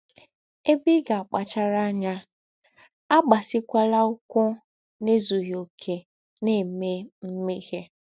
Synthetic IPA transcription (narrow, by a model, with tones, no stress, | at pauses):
e˦bi˦ɡa˨a˨k͡pa˨t͡ʃa˦ɾa˦a˦ɲa˦ | a˦ɡ͡ba˨sɪ˦kʷa˦la˦ʊ˦kʷʊ˦ | ne˦zu˨ɦjo˨kʰe˨ | ne˨me˦m̩˦me˦he˦